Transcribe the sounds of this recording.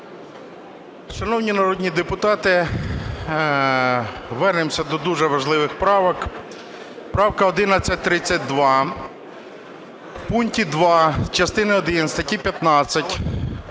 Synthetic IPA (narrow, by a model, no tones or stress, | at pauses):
ʃɐnɔwnʲinɐɾɔdʲnʲid̪epʊt̪ɑt̪ɪ | ʋɛrnɪmsʲɐd̪ɔd̪uʒɛʋɐʒlˠɪʋɪxpɾɑʋɔk | pɾɑwkɐɔd̪ɪnɐt͡sʲːɐt̚ʲt̪ɾɪt͡sʲːɐt̚ʲd̪ʋɑ | punʲtʲid̪ʋɑt͡ʃɐst̪ɪnɪɔd̪ɪnst̪ɐtʲipʲjɐt̪nɑt͡sʲːɐtʲ